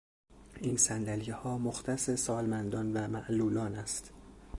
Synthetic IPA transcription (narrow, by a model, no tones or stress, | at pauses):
ʔiːnsænd̪æliehɒːmoxt̪ʰæsesɒːlmænd̪ɒːnvæmæʔluːlɒːnæst̪